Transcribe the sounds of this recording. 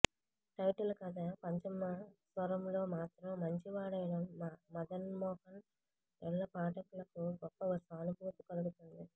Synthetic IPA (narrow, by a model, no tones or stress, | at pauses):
ʈɐjʈɐlukɐd̪ɐpɐɲt͡ʃimɐsʋɐɾɐmlo̞ːmaːt̪ɾɐmːɐɲt͡ʃiʋaːɽɐjɐɽɐmːɐd̪ɐnmɔːhɐn | ɛɭːɐpaːʈɐklɐkuɡɔpːɐɐsaːnubʱuːt̪ukɐluɡut̪und̪i